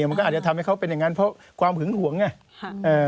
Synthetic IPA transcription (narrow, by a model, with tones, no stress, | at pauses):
ma˧kɔː˥˩˨t̚t͡ɕa˨t̪ʰmha˥˩jkʰa˦˥wpe˧nja˨˩ŋːa˦˥npʰɔ˦˥ | kʰwaː˧mpʰɯ˨˩˦ŋhu˨˩˦əŋːa˥˩ | ʔɤː˨˩